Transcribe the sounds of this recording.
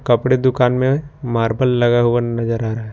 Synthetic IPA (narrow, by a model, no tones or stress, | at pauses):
kɐpɽed̪ʊkaːnmẽmaːɾbʱəllɐɡaɦʊanɐd͡ʒəɾaːɾaɦɛ